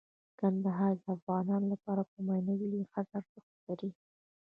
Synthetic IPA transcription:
kand̪aɦɑɾd̪əafɣɑnɑnolapɑɾapəmajnawilixat̪aɾzəxt̪laɾi

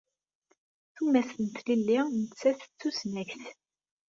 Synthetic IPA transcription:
θumæθənt̪lilːinət͡sːæθə̥t͡sːusnæçθ

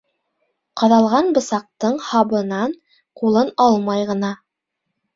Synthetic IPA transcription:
qɑðɑlˠʁɑnbɤ̆sɑq̚t̪ɤɴhɑβɤ̆nɑn | qulˠɤnɑlˠmɑjʁɤ̆nɑ

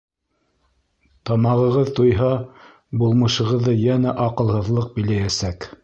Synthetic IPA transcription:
t̪ɑmɑʁɤ̆ʁɤðt̪ujɦɑ | bulˠmɤ̆ʃɤ̆ʁɤ̆ðːɤjænæʔɑqɤ̆lˠhɤ̆ðlˠɤq̚bĭlæjæsæk

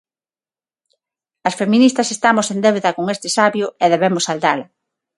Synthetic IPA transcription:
ɐsfemĩnist̪ɐsest̪amosend̪ewðɐkoŋest̪ɪsaβjʊeðeβemʊsald̪alɐ

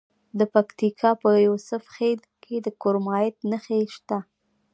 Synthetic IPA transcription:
d̪əpakt̪ikʰɑpəjusʊfxed̪kʰed̪əkoɾmɑjɪt̪nəxeʃt̪a

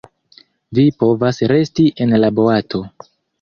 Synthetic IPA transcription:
vipo̞vasɾe̞stiʔe̞nlabo̞atʰo̞

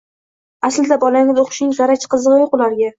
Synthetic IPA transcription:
asld̪abɒlanʲɪd̪ʲoqʊ̥ʃnɪŋzɑɾat͡ʃqɨzɨʁɨjoqʊlaɾɡʲa

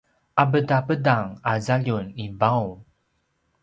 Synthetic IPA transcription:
ʔabədapədaŋazaʎunibaw

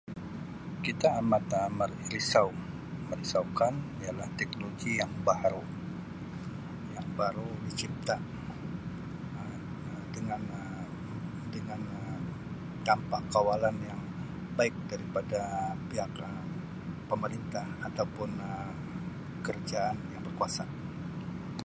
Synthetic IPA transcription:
kit̪aːmat̪amarɾisaw | məɾisaukanijalaht̪ɛk̚noloɡijaŋbaɾu | jaŋbaɾudit͡ʃip̚t̪a | dəŋanə | dəŋan | ə | t̪ampakawalanjaŋ | baɪk̚daɾipadapiɦakə | pəməɾint̪ahat̪awpʊnə | kərd͡ʒaːnjaŋbərkuasa

